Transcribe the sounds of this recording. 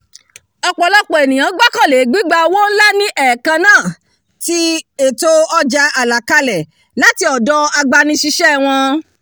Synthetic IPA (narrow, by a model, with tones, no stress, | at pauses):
ɔ˧k͡pɔ˧lɔ˦k͡pɔ˨e˨nĩ˨j̃ã˨˦ɡ͡ba˦kã˦˨le˨˦ɡ͡bi˦ɡ͡ba˧wɔ̃˦n̩˦la˦nĩ˦ʔɛ˦˨kã˧nãː˦˨ | ti˦e˦˨to˧ɔ˧d͡ʒa˧ʔa˨la˨ka˧lɛ˨ | la˨˦ti˧˦ɔ˨dɔ˧a˧ɡ͡ba˧nĩ˧˦ʃi˧ʃɛ˦˨w̃ɔ̃˧